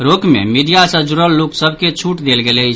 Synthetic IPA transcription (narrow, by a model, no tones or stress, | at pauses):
ɾokmḛmiɖijasəd͡ʒuɾəlːoksəbʱket͡ʃʰuʈd̪elɡelət͡ʃʰ